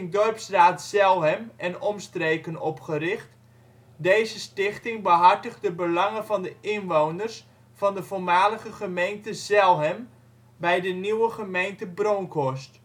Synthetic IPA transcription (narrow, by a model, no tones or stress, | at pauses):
ndɔrpsraːtsɛlˠɦɛmɛnɔmstreːkənɔpχərɪχt | dejzəstɪχtɪŋbəɦɑrtəχdəbəlɑŋəvɑndəʔɪnʋownərs | fɑndəvolˠmaːləχəχəmejntəzɛlˠɦɛm | bɛjdəniwəχəmejntəbronkɔst